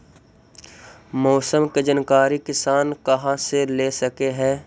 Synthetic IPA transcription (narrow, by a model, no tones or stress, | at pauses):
mɔːsəmked͡ʒənkaːɾikɪsaːnkɐɦãseleːsɐkeɦɛ̃ː